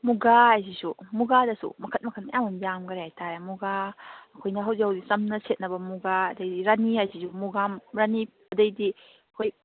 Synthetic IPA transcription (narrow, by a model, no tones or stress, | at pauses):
muɡaajzisumuɡadɐsṵmɐkʰɐt̚mɐkʰɐt̚mɐjamunjamɡɐɾeajtʰaɾemuɡaɐkʰojnɐɦɐwzihawdisɐmnɐset̚nɐbɐmuɡaɐdɐjdiɾaniajzisumuɡamɾani | ɐdɐjdi | ɐkʰoj